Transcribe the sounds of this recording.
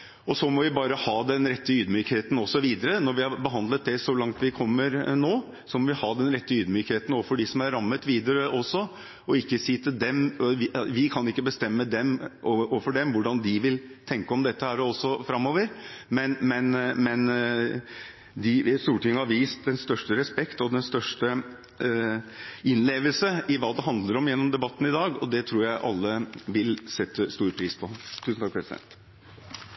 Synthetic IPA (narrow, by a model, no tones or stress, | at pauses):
ɔsɔmɔʋɪbɑːɾəhɑːd̪ɛnɾɛt̪ːəyːd̪myːkheːt̪n̩ɔsːɔʋiːd̪əɾənɔɾʋɪhɑbəɦɑnd̪lət̪̚d̪ɛsɔlɑŋt̪ʋɪkʰɔmːəɾnoː | sɔmɔʋɪhɑːd̪ɛnɾɛt̪ːəyːd̪myːkheːt̪n̩oːʋəfɔɖɪsɔmæɾɾɑmːət̪ʋiːd̪əɾəʔɔsɔ | ɔɪkːəsiːt̪ʰɪld̪ɛmʋʋɪkʰɑnɪkːəbəst̪ɛmːəd̪ɛmʔoʔoːfɔɖɛmʋʊɖɑnd̪ɪʋɪlt̪ʰɛŋkəɔmd̪ɛt̪ːəhæːɾɔsːɔfɾɑmːoːʋəɾmɛnmɛnmɛn | d̪ɪst̪uːʈʰɪŋːəhɑɾʋiːst̪̚d̪ɛnst̪œʂʈəɾɛspɛkt̪ɔd̪ɛnst̪œʂʈə | ɪnleːʋəlsəɪʋɑːd̪ɛɦɑnd̪ləɾɔmjɛnːɔmd̪ɛbɑt̪ːn̩ɪd̪ɑːɡɔd̪ɛt̪ʰɾuːɾjæɪʔɑlːəʋɪlsɛt̪ːəst̪uːɾpʰɾiːspʰɔt̪ʰʉːsn̩t̪ɑːk̚pʰɾɛsɪd̪ɛ̰nt̪